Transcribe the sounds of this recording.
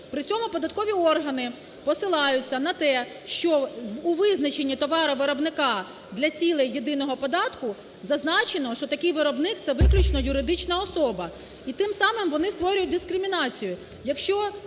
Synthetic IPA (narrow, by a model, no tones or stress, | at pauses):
pɾɪt͡sʲɔmʊpɔd̪ɐt̪̚kɔʋʲiɔrɦɐnɪ | pɔsɪlˠɑjʊt͡sʲːɐnɐt̪ɛ | ʃt͡ʃɔːʋɪznɐt͡ʃe̞nʲːit̪ɔʋɑɾɐʋɪɾɔbnɪkɑ | d̪lʲɐt͡sʲilˠɛjed̪ɪnɔɦɔpɔd̪ɑt̪kʊ | zɐznɑt͡ʃenɔʃt͡ʃɔt̪ɐkʲɪjʋɪɾɔbnɪkt̪sɛʋɪklʲʊt͡ʃnɔjʊɾɪd̪ɪt͡ʃnɐɔsɔbɐ | it̪ɪmsɑmɪmʋɔnɪst̪ʋɔɾʲʊjʊt̚ʲd̪ɪskɾɪmʲinɑt͡sʲijʊ | jɐkʃt͡ʃɔ